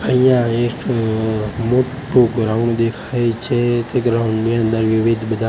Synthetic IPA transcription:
əɦijãek | moʈuɡɾaʊɳɖd̪ekʰajt͡ʃʰet̪eɡɾaʊɳniənd̪əɾʋɪʋid̪ʱbəd̪ʱa

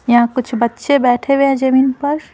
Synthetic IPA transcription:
jɐɦãkʊt͡ʃʰbɐtːʃebɛːʈʰeʋeɛ̃d͡ʒɐmiːnpɐɾ

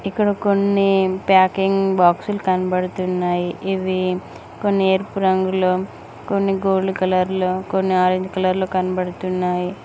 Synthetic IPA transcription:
ikːɐɽɐkonːipaːkiŋɡbaːksulukɐnɐbɐɽut̪unːaːjiʔiʋi | konːieːɾpuɾɐŋɡuloː | konːiɡoːlːukɐlɐɾloːkonːiaːɾid̪ikɐlɐɾloːkɐnɐbɐɽut̪unːaːji

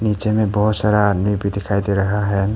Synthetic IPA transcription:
nit͡ʃemẽbɔɦʊt̪saɾaːd̪mibʱid̪ɪkʰajd̪eɾəɦaɦɛ

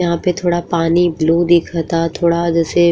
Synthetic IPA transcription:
ɦãpet̪ʰoːɽapaːnibluːd̪ikʰɐt̪at̪ʰoːɽad͡ʒəse

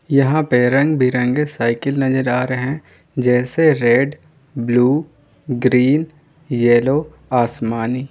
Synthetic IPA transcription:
jɐɦãpeɾɐ̃ŋɡbʱiɾɐ̃ŋɡesaːɪkɪlnɐd͡ʒəɾaːɾeɦɛ̃ | d͡ʒɛːseɾeɖ | bluː | ɡɾiːn | jɛːloː | aːsmaːniː

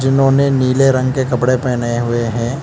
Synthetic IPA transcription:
d͡ʒɪnɦõːneniːleɾɐ̃ŋɡkekɐpɽepɛːneɦʊeɦɛ̃ː

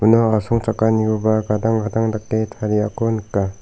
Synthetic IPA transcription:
unɔasɔŋt͡ʃakːaniɡɔbaɡadaŋɡadaŋdak̚tetʰaɾiakɔnɯkːa

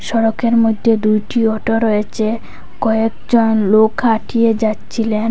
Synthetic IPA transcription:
ʃɔɽokeɾmod̪ʱːed̪ujʈiɔʈoɾɔjet͡ɕʰe | kɔekd͡ʑonlokʰaʈʰied͡ʑatːɕʰilen

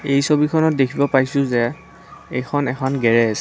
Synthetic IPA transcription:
ejsobikʰɔnɔt̚dekʰibɔpaɹisʊ̃zɛ | ekʰɔnɛkʰɔnɡɛɹɛasɛ

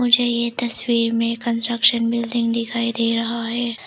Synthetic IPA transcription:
mʊd͡ʒʱejet̪ɐswiːɾmẽkɐ̃nsʈɾəkʃənbɪlɖ̪ɪ̃ŋɡd̪ɪkʰaːid̪eːɾɐɦaɦɛː

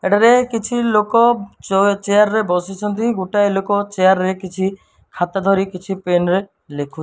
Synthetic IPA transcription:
eɽaɾekit͡ʃʰilokɔ | t͡ʃeaɾːebɔsit͡ʃʰɔnt̪iɡuʈaelokɔt͡ʃejaɾːekit͡ʃʰi | kʰat̪ad̪ʱɔɾikit͡ʃʰipenɾe | lekʰu

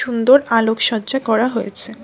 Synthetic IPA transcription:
und̪oɾalokʃɔd͡ʑakɔɾaɦojḛt͡ɕʰe

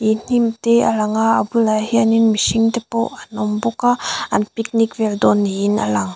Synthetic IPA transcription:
in̥imt̪ɛa̰laŋaːbɯlaɦianinmisiŋt̪ɛpoʔanɔmbɔkaanpik̚nikvɛld̪ɔnːiːna̰laŋ

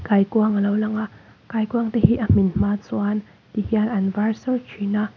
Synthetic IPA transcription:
kajkuɐŋalowlaŋaʔ | kajkuɐŋt̪ehiʔɐm̥inm̥aːt͡suan | t̪ihianʔanvarsɐlt͡ʃʰinaʔ

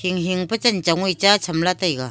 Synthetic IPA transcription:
hiŋɦiŋpɐt͡ʃant͡ʃaŋujt͡ʃat͡ʃʰamlatajɡa

